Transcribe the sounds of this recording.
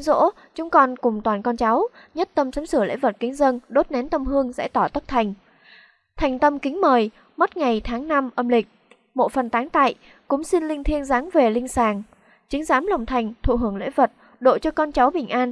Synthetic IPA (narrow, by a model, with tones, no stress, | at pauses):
zo̰˧˥ | t͡ɕʊ˨˦ŋ͡mkɔ˧˩nkʊ˨˩ŋ͡mt̪waː˨˩nkɔ˧nt͡ɕa˨˦wɲə˦˥t̚t̪ə˧msa˨˦msɨ˧˩əlḛ˧˥və˨˩t̚kï˨˦ŋ̟zə˧nɗo˦˥t̚ne˨˦nt̪ə˧mhɨ˧əŋzɛ̰ː˧˥t̪ɔ˧˩t̪ə˦˥k̚t̪ʰa˨˩jŋ̟ | t̪ʰa˨˩jŋ̟t̪ə˧mkï˨˦ŋ̟məː˨˩j | mə˦˥t̚ŋa˨˩jt̪ʰaː˨˦ŋna˧mʔə˧mlï˨˩k̟̚ | mo̰˧˨fə˨˩nt̪aː˨˦ŋt̪a̰ː˧˨j | kʊ̰˧˥ŋ͡msi˧nlï˧ŋ̟t̪ʰi˧ənzaː˨˦ŋve˨˩lï˧ŋ̟saː˨˩ŋ | t͡ɕï˨˦ŋ̟zaː˨˦mla˨˩wŋ͡mt̪ʰa˨˩jŋ̟t̪ʰṵ˧˨ɦɨ˧˩əŋlḛ˧˥və˨˩t̚ | ɗo̰˧˨t͡ɕɔ˧kɔ˧nt͡ɕa˨˦wɓï˨˩ŋ̟ʔaː˧n